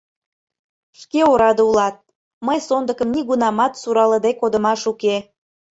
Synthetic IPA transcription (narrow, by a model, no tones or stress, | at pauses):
ʃkeoɾɑd̪eulɑt̪̚ | məjsond̪əkəmniɣunɑmɑt̪suɾɑləd̪ekod̪ə̆mɑʃuke